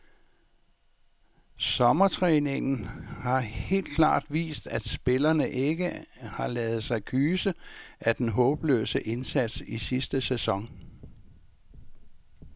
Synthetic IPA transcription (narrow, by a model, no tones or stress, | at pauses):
sɒ̽mɐt͡sʰʁɛːne̝ŋn̩hɑ̈he̝̰ːld̥̚kʰlɑ̰̈ːd̥ʋḭːsd̥æd̥sb̥e̝lɐnəʔe̝ɡ̥əhɑ̈lɛːð̞̩ˠsɑ̈ɪkʰyːsəʔæd̥enɦɔ̽ːb̥lø̰ːsəʔe̝nsæd̥sisisd̥əsesɒ̽ŋ